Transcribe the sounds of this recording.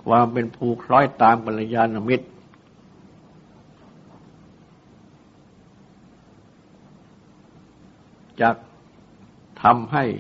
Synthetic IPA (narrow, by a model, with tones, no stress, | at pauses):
kʰwʔaː˧mpe˧npʰuː˧kʰlɔː˦˥˩jt̪aː˧mka˧na˧jaː˧na˧mi˦˥t̪̚ | t͡ɕaː˨˩k̚ | t̪ʰa˧mɦa˥˩j